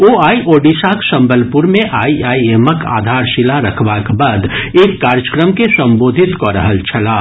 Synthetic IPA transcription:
oːaːiʔoːɖisaːksə̃mbəlpʊɾmẽʔaːiaːieːməkʰa̰ːd̪ʱaːɾʃɪlaɾɐkʰʋakbaːd̪eːkːaːɾjəkɾəmkesə̃mboːd̪ʱɪt̪koɾə̰ɦəlt͡ʃʰɐlaː

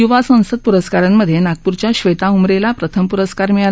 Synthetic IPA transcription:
juʋasə̃w̃səd̪̚puɾəskaɾanməd̪ʱːjenak̚puɾt͡ɕjaɕʋəjt̪aumɾelapɾət̪ʰəmpuɾəskaɾmia

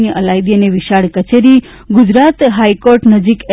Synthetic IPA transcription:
niʔəlajd̪ieneʋiʃaɽkət͡ʃeɾi | ɡʊd͡ʒɾat̪ɦaikoɾʈnəd͡ʒike

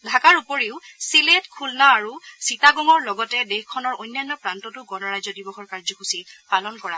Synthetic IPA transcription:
dʱakaɹupoɹiʊsiletkʰulnaːɹusitaɡɔŋɔɹlɔɡɔtɛdexkʰːɔnɔɹojnːjanːɔpɹantɔtʊɡɔnɔɹajzɔdibɔxɔɹkaɹzɔxusipalɔnkɔɹa

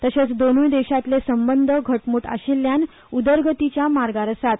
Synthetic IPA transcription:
t̪əɕet͡sd̪onuid̪eɕat̪lesəmbənd̪ʱəɡʱəʈmuːʈa̰ɕilːjan | ud̪əɾɡət̪it͡ɕjamaɾɡaɾəsat̪

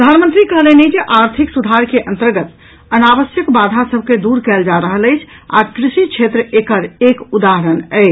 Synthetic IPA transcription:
pɾəd̪ʱanmənt̪ɾikəɦlened͡ʒeʔaɾt̪ʰiksud̪ʱaɾkeʔənt̪əɾɡət̪ | ənabəsjəkbad̪ʱasəb̚ʱked̪uɾkɛld͡ʒaɾəɦələjt͡ʃʰ | a̰kɾisit͡ʃʰet̪ɾəekəɾekud̪aɦəɾənəɪ

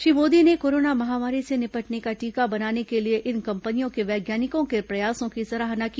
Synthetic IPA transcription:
ʃɾimoːd̪inekoːɾoːnamɐɦaːmaːɾisenɪpɐʈnekaʈiːkabɐnaːnekelieʔɪnkɐ̃mpənijõkeʋɛːɡjaːnɪkõkepɾɐjaːsõkisɐɾaːɦnaki

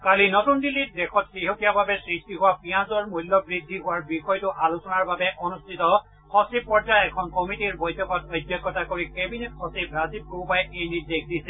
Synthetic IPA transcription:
kalinɔtundilːit̚dekʰɔt̚kiɦokijababɛsɹistiɦʊwapijãzɔɹmujlːɔbɹidʱːiɦʊwaɹbixɔjtʊʔalusɔnaɹbabɛʔɔnustʰitɔ | xɔsib̚pːɔɹd͡ʒajɛkʰɔnkɔmitiɹbojtʰɔkɔtojdjɔkːɔtakoɹikebinetxɔsibɹazib̚kupajejnidekdisɛ

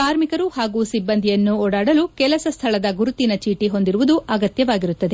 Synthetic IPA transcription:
kaːɾmikɐɾuhaːɡuːsibːɐnd̪ʱijɐnːuɔːɽaːɽɐlukɛlɐsɐst̪ʰɐɭɐd̪ɐɡuɾut̪inɐt͡ʃiːʈiɦo̞nd̪iɾuʋud̪uʔɐɡɐt̪jɐʋaːɡiɾut̪ːɐd̪e̞

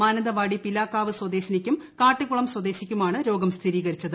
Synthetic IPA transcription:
maːnɐd̪ɐʋaːɽipilaːkːaːʋɨswɐd̪e̞ːɕɐnikʲːumkaːʈːiɣuɭɐmswɐd̪e̞ːɕikʲːumaːɳɨɾo̞ːɡɐmst̪ʰiɾiːɣɐɾit͡ɕːɐðɨ

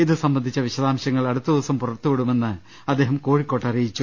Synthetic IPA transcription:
iðɨsɐmbɐnd̪ʱit͡ɕːɐʋiɕɐðaːmɕjɐŋːɐɭɐɽut̪ːuðiʋɐsɐmpurɐrt̪ːukoɽume̞nːɨ | ɐd̪ːe̞ːɦɐmko̞ːɻikːo̞ːʈːɐrijit͡ɕːu

